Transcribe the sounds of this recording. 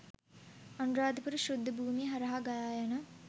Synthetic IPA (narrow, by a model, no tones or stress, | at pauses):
anuɾaːd̪ʱəpuɾuʃɾud̪ʱːəbʱuːmiɦaɾɐɦaɡajaːjanə